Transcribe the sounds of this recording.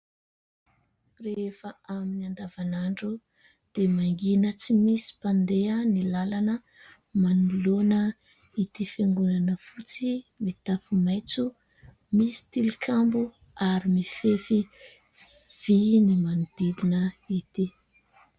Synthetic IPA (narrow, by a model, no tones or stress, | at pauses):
refəaminiand̪avanaɳɖ͡ʐu | d̪̥emaŋɡinət͡simisi̥pand̪eənilalanə | manulonə | it̪ifeŋɡunanəfut͡simit̪afumajt͡su | misi̥t̪ilikʰambu | aɾimifefi | v̥inimanud̪̥id̪inəit̪i